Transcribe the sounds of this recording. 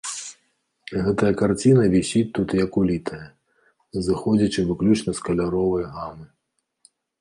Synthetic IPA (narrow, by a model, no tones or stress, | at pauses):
ɣɛt̪ɐjɐkart͡sʲinɐvʲisʲit̪ːut̪jɐkulʲit̪ʰɐjɐ | zɨxɔd͡zʲit͡ʃɨvɨklʲut͡ʂnɐskɐlʲaɾɔvɐjɣamɨ